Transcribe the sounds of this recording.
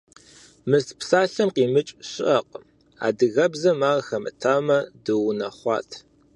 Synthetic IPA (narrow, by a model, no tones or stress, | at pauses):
mɨspsaːɬɐmqiːmɨt͡ʃʼɕɪʔɐqʷʼ | a̰ːdɨɣɐbzɐmaːʁɐxɐmɨ̰tʰaːmɐdɨwnɐχʷɑ̰ːtʰ